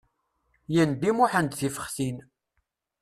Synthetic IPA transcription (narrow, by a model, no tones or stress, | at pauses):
jænd̪imʊħənd̪θifə̥χθin